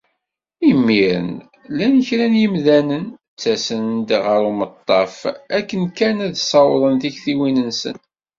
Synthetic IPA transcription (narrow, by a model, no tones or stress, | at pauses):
imːiɾə̰n | lænəçɾænjəmðænən | t͡sːæsənd̪ʁəɾumət̪ˤːɑfækːənkænæðsˤɑwðˤənθiçθiwinənsə̰n